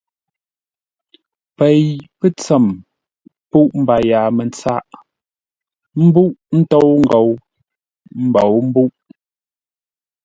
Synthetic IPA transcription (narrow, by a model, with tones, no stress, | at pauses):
pɛ˨jpɛ˦t͡sɛ˨m | pu˦ʔm̩˦ba˨jaː˨mɛ˨n˨t͡sa˦ʔ | m̩˦bu˦ʔn̩˦to˦wŋ̩˦˨ɡo˨w | m̩˦bo˨wm̩˦bu˦ʔ